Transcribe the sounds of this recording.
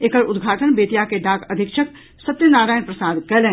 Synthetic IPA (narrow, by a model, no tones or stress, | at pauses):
eːkəɾʊd̪ɡʱaːʈənbeːt̪jakeɖaːkɐd̪ʱɪkʃək | sɐt̪ːjənaːɾaːjnpɾɐsaːd̪kɐlẽː